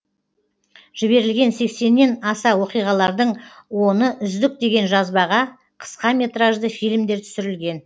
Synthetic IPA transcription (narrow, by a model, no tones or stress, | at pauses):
ʒ̥ɪbe̞ɾɪlɡʲe̞nse̞kse̞nːe̞nɑsɑwo̞qijʁɑlˠɑɾd̪əɴwo̞nəʔʏzd̪ɪk̚d̪e̞ɡʲe̞nʒɑzbɑʁɑ | qʰə̥sqɑmʲe̞t̪raʒd̪əfijlmd̪e̞ɾt̪ʰʏ̥sɪɾɪlɡʲe̞n